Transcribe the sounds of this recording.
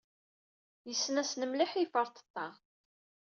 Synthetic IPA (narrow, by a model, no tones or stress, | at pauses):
jəsːnæsnəmliħifəɾˤt̪ˤə̥t̪ːɑʁ